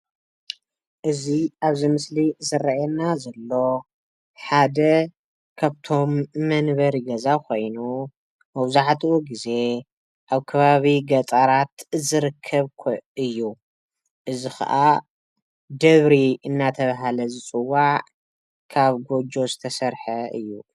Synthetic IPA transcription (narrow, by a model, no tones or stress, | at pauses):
ʔɨziaβzimɨslizɨraʔɛnazɐlːo̞ | ħad̪ɐ | kʰaβt̪ʰo̞mːɐnβɐɾiɡɐzakʰo̞jnu | mɐwzaħt̪ʰiuɡize̞ | ʔaβkʰɐβaβiɡɐt͡sʼaɾat̪zɨɾɨkʰːɐβkʰɨjːu | ʔɨzixɐ̰ʔa | d̪ɐβɾiɨnːat̪ʰɐβaɦalɐzɨt͡sʼɨwːaʕ | kʰaβɡo̞d͡ʒo̞zɨt̪ʰɐsɐɾħɐʔɨ̰jːu